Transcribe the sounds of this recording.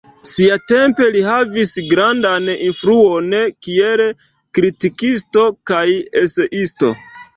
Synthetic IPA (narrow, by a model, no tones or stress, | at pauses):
siate̞mpe̞liɦavisɡɾandaninfɾuonkiel | kɾitikisto̞kajese̞ʔisto̞̰